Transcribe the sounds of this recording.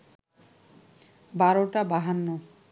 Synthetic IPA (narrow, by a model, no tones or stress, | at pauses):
baɾoʈabaɦanːo